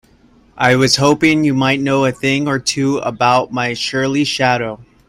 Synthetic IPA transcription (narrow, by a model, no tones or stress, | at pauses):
ʔaɪwʌz̥hoʊpɪ̃ŋjɨmaɪtⁿnoʊɨθɪ̃ŋə˞tʰʉə̰baʊt̚maɪʃʊ˞lˠiʃæɾoʊ